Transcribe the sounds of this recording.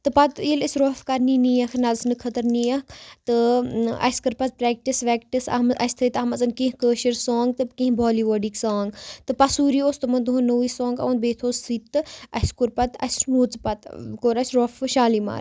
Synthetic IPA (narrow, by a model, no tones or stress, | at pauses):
t̪ɨpɐt̪ilisʲɾoːfkɐɾniniːɐkʰnɐlsnɨkʰɐt̪ɐɾnijɐkʰt̪ɨɐ̰skɨɾpɐt̪̚pɾeːk̚ʈisʋeːkʈisɐ̰mɐsʲt̪ʰɨt̪ɐmɐzɐnkĩɦkəːʃɐɾsoːŋɡ̚t̪ɨkĩɦbʱoːliːʋoːɖiksaːŋɡt̪ɨpɐsuːɾioːst̪ɨmɐnd̪uɦũnoʋisõːŋɡɐ̰ʋɐnbeːt̪ʰoːssit̪ːɨɐskuɾpɐt̪ɐ̰sʲnuːt͡spɐt̪koːɾɐsʲɾoːfʃaːlima̰ɾ